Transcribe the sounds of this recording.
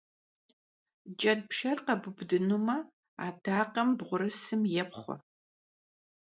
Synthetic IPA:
d͡ʒʼɐd̚pʃɐrqɐbʊbdɨnuːmɐ | aːtʰaːqɐmbʁʷʊɾɨsɨmjɛpχʷɔ̰

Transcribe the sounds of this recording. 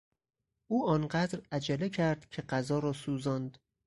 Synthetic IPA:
ʔuːɒːnɢæd̪ɾæd͡ʒælecʰæɾd̪̥cʰe̞ɢæzɒːɾɒːsuːzɒnd̪

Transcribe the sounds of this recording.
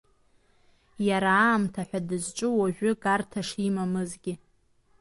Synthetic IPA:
jaɾaːmtʰaħʷᶣadɨzt͡ʃʷʼɨwaʒᶣʷʊɡartʰaʂimamɨzɡʲɪ

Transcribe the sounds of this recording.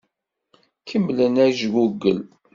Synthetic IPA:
kʰəmlənæʒɡuɡːəl

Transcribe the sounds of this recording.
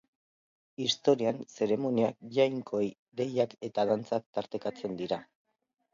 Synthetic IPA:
ist̪o̞ɾianse̞ɾe̞mo̞niak̚ʝajŋko̞ej | ɡe̞jake̞t̪aðant͡sak̚t̪aɾt̪e̞kat͡se̞nd̪iɾa

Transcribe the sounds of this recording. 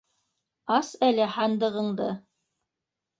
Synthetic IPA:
ɑsælɘhɑnd̪ɤ̆ʁɤ̆ɴd̪ɤ

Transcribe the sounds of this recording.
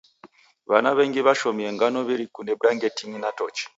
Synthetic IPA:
βanaβeŋɡiβaʃomieŋɡanɔβiɾikunebuɾaŋɡetiŋinatɔt͡ʃi̥

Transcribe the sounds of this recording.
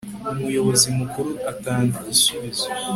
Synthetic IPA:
umujo̞βo̞zimukuɾuataːŋɡaisuβizo

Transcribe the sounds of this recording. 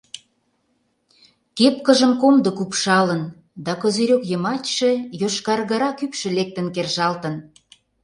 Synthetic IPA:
kepkəʒə̆mkomd̪okupʃɑlən | d̪ɑkozeɾʲokjə̆mɑt͡ɕʲʃĕjoʃkɑrɣə̆ɾɑkypʃĕlek̚t̪ə̆nkerʒɑlt̪ə̆n

